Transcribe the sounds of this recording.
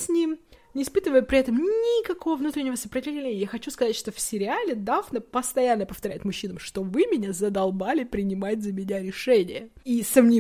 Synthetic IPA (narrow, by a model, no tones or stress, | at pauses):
sʲnʲimnʲɪːspɨt̪əvəjʊpɾʲɪɛt̪əmnʲɪkɐko̞vəvnut̪ɾʲɪnʲːɪvəsəpɾətʲɪvlʲɪvlʲenʲɪəjaxɐt͡ɕuskɐzatʲʂt̪o̞fsʲɪɾʲɪalʲɪd̪avnəpəst̪ɐjanːəpəft̪ɐɾʲæ̰jɪt̪mʊɕːinəmʂt̪ovɨmʲɪnʲazəd̪ɐlˠbalʲɪpɾʲɪnʲɪmat̚ʲzəmʲɪnʲaɾʲɪʂɛnʲɪjəisəvnʲi